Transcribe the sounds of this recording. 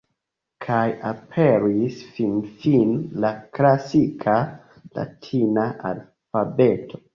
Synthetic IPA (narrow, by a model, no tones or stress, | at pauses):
kʰajapʰeɾisfinfinlaklasikʰa | la̰tʰinaʔa̰l | fabe̞tʰo